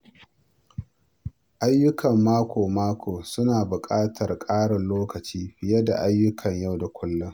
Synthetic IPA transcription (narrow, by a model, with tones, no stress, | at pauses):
ʔa˦jːʊ˦kʰɐ˨mːaː˦kʷʰoː˨maː˦kʷʰoː˨sʊ˦naː˨bʊ˨kʼaː˦tʰɐ˨rkʼaː˦ɽɪ˨nloː˦kɐ˨t͡ʃiː˦ɪ˦jɐ˦da̰˨ʔa˦jːʊ˦kʰɐ˨ɲja˦˨wda˨kʷʰʊ˦lːʊ˦ŋ